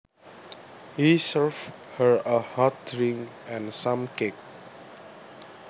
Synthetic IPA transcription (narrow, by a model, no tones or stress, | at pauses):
hisəɹv | həɹəhat̚ɹĩŋ | ɛ̃nsãmkek̚